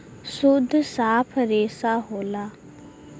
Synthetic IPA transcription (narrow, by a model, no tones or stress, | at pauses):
sʊd̪ʱːsaːpʰɾeːsaːɦoːlaː